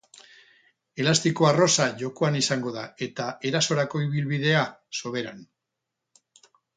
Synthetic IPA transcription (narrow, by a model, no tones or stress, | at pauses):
e̞last̪iko̞aro̞saʝo̞ko̞anisaŋɡo̞ð̞a̰e̞t̪ae̞ɾaso̞ɾako̞iβ̞ilβið̞e̞aso̞βe̞ɾan